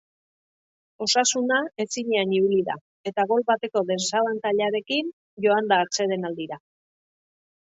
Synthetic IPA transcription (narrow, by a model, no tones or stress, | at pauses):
o̞sasunae̞siɲeaniuliða̰ | e̞t̪aɣ̞o̞lβat̪e̞ko̞ðe̞ssaβant̪aʎaɾe̞kin | ʝo̞and̪aːɾt͡se̞ðe̞nald̪iɾa